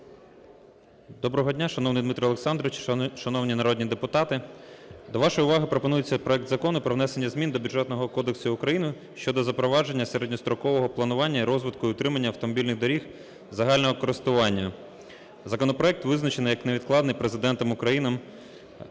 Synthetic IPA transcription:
d̪ɔbɾɔɦɔdʲnʲaʃɐnɔwnɪjd̪mit̪ɾiɐlˠeksɑnd̪ɾɔʋɪt͡ʃʃɐnɔwnʲinɐɾɔdʲnʲid̪epʊt̪ɑt̪ɪd̪ɔʋɑʃɔjʊʋɑɦɪpɾɔpɔnujet͡sʲːɐpɾɔɛk̚d̪zɐkɔnʊpɾɔwnɛse̞nʲːɐzmʲind̪ɔbʲudʐɛt̪nɔɦɔkɔd̪eksʊʊkɾɐjinʊ | ʃt͡ʃɔd̪ɔzɐpɾɔʋɑʒe̞nʲːɐseɾedʲnʲist̪ɾɔkɔʋɔɦɔplˠɐnʊʋɑnʲːɐiɾɔzʋɪt̪̚kʊiʊt̪ɾɪmɐnʲːɐɐwt̪ɔmɔbʲilʲnɪɣd̪ɔɾʲix | zɐɦɑlʲnɔɦɔkɔɾɪst̪ʊʋɑnʲːɐ | zɐkɔnɔpɾɔɛk̚t̪ʋɪznɐt͡ʃenɪjɐkneʋʲid̪klˠɑd̪nɪjpɾezɪd̪ɛnt̪ɔmʊkɾɐjinɐm

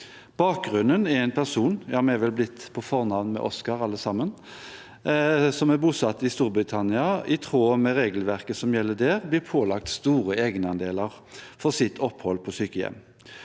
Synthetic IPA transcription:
b̥ɑːk̚ɡʁʉnːənɛɾɛɪnpʰæʁsuːnjɑːmɛʋɛlblɪt̪ːpʰɔfɔʁnɑʋnmɛ̰ʔɔskɑʁɑlːəsɑmən | sɔmæʁbuːsɑt̪ːɪst̪uːɾbʁɪt̪ʰɑnɪɑɪt̪ʰʁoːmɛʁeːɡəlʋæʁkəsɔmjɛlːəd̪ɛːʁblɪʁpʰoːlɑk̚t̪st̪uːʁəeːɡənɑnd̪eːləʁ | fɔʁsɪt̪ʰɔphɔlpʰɔsyːkəjɛ̰mː

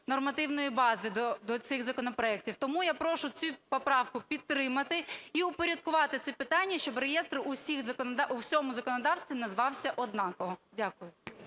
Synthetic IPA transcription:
nɔrmɐt̪ɪwnɔjibɑzɪd̪ɔd̪ɔt̪sɪɣzɐkɔnɔpɾɔɛk̚tʲiwt̪ɔmujapɾɔʃʊt͡sʲupɔpɾɑwkʊpʲit̪ːɾɪmɐt̪ɪiʊpɔɾʲɐd̪̚kʊʋɑt̪ɪt̪sɛpɪt̪ɑnʲːɐʃt͡ʃɔbɾejɛst̪ɾɪʔʊsʲixzɐkɔnɔd̪ɑʔuwsʲɔmʊzɐkɔnɔd̪ɑwst̪ʋʲinɐzʋɑwsʲɐʔɔd̪nɑkɔɦɔdʲakʊjʊ

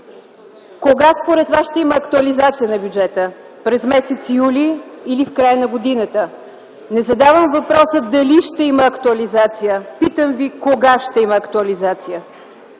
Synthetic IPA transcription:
koɡaspoɾɛt̪vasʃt̪ɛiməːkt̪uɐlizat̪sijənɐbjud͡ʒɛt̪ə | pɾɛzmɛsɛt̪sijuliːlifkɾajənɐɡod̪inət̪ə | nɛzɐd̪avəmvɐpɾɔsəd̪ɐliʃt̪ɛiməːkt̪uɐlizat̪sijəpit̪əmvikoɡaʃt̪ɛiməːkt̪uɐlizat̪sijə

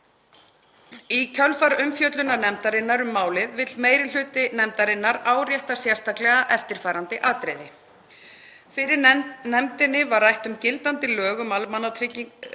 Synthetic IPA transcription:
icʰœlfaɾʏmfjœt̪lʏnanɛmt̪aɾɪnːaɾʏmːaːwlɪðvɪt̪lmeːjɾɪl̥ʏːt̪ɪnɛmt̪aɾɪnːaɾaːwɾjɛht̪asjɛɾ̥st̪aklɛɣaʔɛft̪ɪɾ̥faːɾant̪ɪʔaːt̪ɾejðɪ | fɪɾɪɾnɛmt̪ɪnːɪvaɾrajht̪ʏmcɪlt̪ant̪ɪlœːɣʏmalmanat̪ʰɾɪc

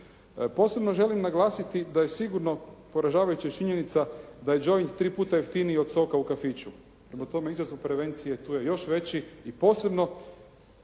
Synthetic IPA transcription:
po̞ːse̞bno̞ʒe̞limnaɡlˠaːsit̪id̪aje̞siɡuɾno̞po̞ɾaʒaːʋajut͡ɕit͡ʃiɲenit̪sad̪aje̞d͡ʒo̞jnt̪ɾiːpuːt̪ajeft̪inio̞d̪so̞kaukafit͡ʃu | pɾemat̪o̞meizazupɾe̞ʋe̞nt̪sijet̪uːje̞jo̞ʃʋe̞t͡ɕiːpo̞ːse̞bno̞

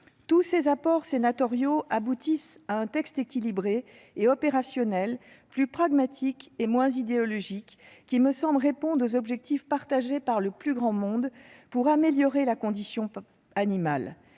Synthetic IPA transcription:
t̪usezapɔʁsenat̪ɔʁjoʔabut̪isaɛ̃t̪ɛkst̪ekʲilibʁe | eɔpeʁasjɔnɛl | plypχaɡmat̪ʰikemwɛ̃zid̪eɔlɔʒikːʲ | iməsɑ̃blʁepɔ̃d̪ʁozɔbʒɛk̚t̪ifpaʁt̪aʒepaʁləplyɡʁɑ̃mɔ̃d̪puʁameljɔʁelakɔ̃d̪isjɔ̃ | animal

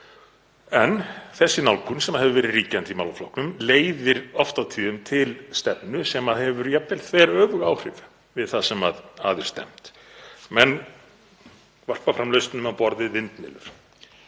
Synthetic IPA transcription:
ɛnθɛsːɪnawlkʰʏnsɛmaðɦɛvðʏvɛːɾɪriːcant̪imawlaflɔhknʏmleːjðɪɾɔft̪awt̪ʰiːðʏmt̪ʰɪlst̪ɛpnʏsɛmaðhɛvʏɾjɛp̚nɛlθʰvɛːɾœːvʏɣaːwr̥ɪv | vɪðθasɛma̰ðaːðʏɾ̥st̪ɛ̰m̥t̪ | mɛn | var̥pafɾamlœɥst̪nʏmawpɔɾðɪvɪnt̪nɪ̰ːlʏ̰ɾ̥

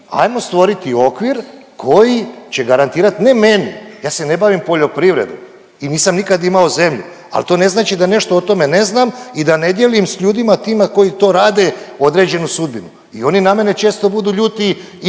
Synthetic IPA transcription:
a̰jmo̞st̪ʋo̞ɾit̪io̞kʋiɾkʰo̞jit͡ɕe̞ɡaɾant̪iːɾat̪ne̞me̞nḭjaːse̞ne̞baʋimpo̞ʎo̞pɾiʋɾe̞̰d̪ṵ | iniːsamnikad̪imaoze̞mʎṵ | a̰lt̪o̞ːne̞znaːt͡ʃid̪ane̞ʃt̪oot̪o̞me̞ne̞znaːmid̪ane̞d̪jelimsʎuːd̪imat̪iːmako̞jit̪o̞ːɾaːd̪e̞o̞d̪ɾe̞ːd͡ʑe̞nusud̪̚binu | ḭo̞niname̞ne̞t͡ʃe̞ːst̪o̞bud̪uːʎuːt̪i

